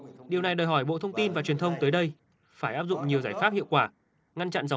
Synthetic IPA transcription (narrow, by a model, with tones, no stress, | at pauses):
ɗi˨˩wna˨˩jɗəː˨˩ɦɔ˧˩jɓo̰˧˨t̪ʰə˧wŋ͡mt̪i˧nvaː˨˩t͡ɕwi˨˩ənt̪ʰə˧wŋ͡mt̪əː˨˦jɗə˧j | faː˧˩jʔaː˦˥p̚zʊ̰˧˨ŋ͡mɲi˨˩əwzaː˧˩jfaː˦˥p̚hḭ˧˨əwkwaː˧˩ | ŋa˧nt͡ɕa̰˧˨nza˨˦